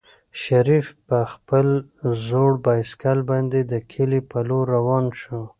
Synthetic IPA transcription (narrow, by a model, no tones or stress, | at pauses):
ʃaɾifpəxpəlzoɽbɑjskalbɑnd̪ed̪əkʰelipaloɾawɑnʃu